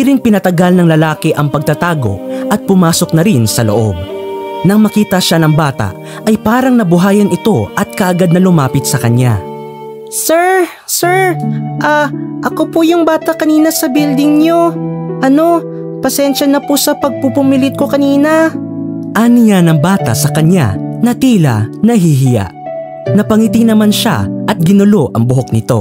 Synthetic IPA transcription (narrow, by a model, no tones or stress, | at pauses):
ɪɾɪnpɪnɐt̪ɐɡalnɐŋlɐlaːkɪʔɐŋpɐɡ̚t̪ɐt̪aːɡo̞̰ʔɐt̪̚pʊmaːso̞k̚nɐɾɪnsɐlo̰ʔo̞̰b̚nɐŋmɐkiːt̪ɐʃanɐŋbaːt̪ɐ̰ʔ | ʔɐjpaːɾɐŋnɐbʊɦaːjɐnɪt̪o̞ʔɐt̪̚kɐʔɐɡad̪nɐlʊmaːpɪt̪̚sɐkɐɲa̰ | sɛɹ | sɛʔaːʔɐkopʊjʊŋbaːt̪ɐkɐniːnɐsɐbild̪ɪŋɲo̞ʔɐno̞ | pɐsɛnʃɐnɐposɐpɐɡ̚pupʊmilɪt̪̚ko̞kɐniːnɐ | ʔaːnɪjanɐŋbaːt̪ɐ̰sɐkɐɲa̰nɐt̪iːlɐ̰nɐɦiɦɪja̰ʔ | nɐpɐŋit̪ɪŋnɐmanʃa̰ʔɐt̪̚ɡɪnʊlo̞ʔɐ̰ŋbʊɦo̞k̚nɪt̪o̞̰